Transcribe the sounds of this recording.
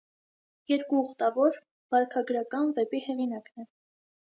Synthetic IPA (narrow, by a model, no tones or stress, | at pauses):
jɛɾkuːχt̪ɑvɔɾ | b̥ɑɾkʰɑɡɾɑkɑnvɛpihɛʁinɑknɛ